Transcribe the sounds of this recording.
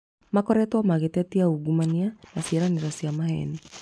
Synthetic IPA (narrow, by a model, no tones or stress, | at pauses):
makɔɾɛtuamaɣɛtɛtiauɡumanianasiɛɾaniɾasiamahɛ̰ni